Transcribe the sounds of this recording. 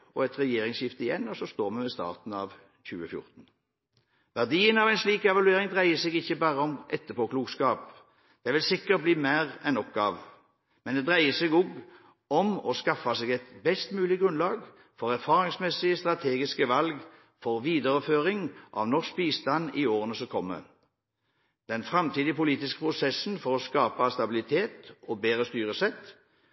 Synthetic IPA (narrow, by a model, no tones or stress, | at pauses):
ɔ̰ɛt̪ʁɛjeːɾɪŋsjɪft̪əɪjɛnːɔsɔst̪oːʁmɛʋɛst̪ɑ̰ːʁt̪n̩ɑ̰ʋ | çʉ̰ːəfjʊ̰ʁt̪n̩ | ʋæʁd̪iːənɑʋæɪnsliːkɛʋɑlʉeːɾɪŋd̪ʁæɪəsɛːɡɪçːəbæːʁəɔmʔɛt̪ːəpʰoːkʰluːɡskɑːp | d̪̥ɛʋɪlsɪkːət̪̚bliːmæːʁɛnːɔkːɑʋ | mɛnd̪ɛd̪ʁæɪəsɛɡɔɡ | ɔmɔskɑfɑseːɡɛt̪bɛst̪mʉːlɪɡʁʉnlɑːɡ | fɔʁæʁfɑːʁɪŋsmɛsɪəst̪ʁɑt̪ʰeːɡɪskəʋɑlɡ | fɔʁʋiːd̪əʁəføːʁɪŋʔɑ̰ʋnɔʂk̚biːst̪ɑnːioːʁənəsɔkʰɔmːə̰ | d̪̥ɛnfʁɑmt̪ʰiːd̪ɪəpʊliːt̪ɪskə̥pʰʁʊsɛsnfɔʁɔskɑːpɑst̪ɑbɪlɪt̪ʰeːt̪ɔbeːʁəst̪yːʁəsɛt̪ː